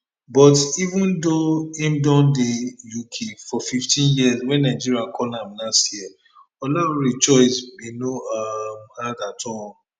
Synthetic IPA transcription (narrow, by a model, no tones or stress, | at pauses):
bɔtivũndoẽmdɔ̃ndejukʰefɔfiftʰĩnjiəzwɛ̃nːaɪd͡ʒiɾiakʰɔlãmnastji | ɔlɔɾɾit͡ʃɔɪsbinoamhadatʰɔ̃n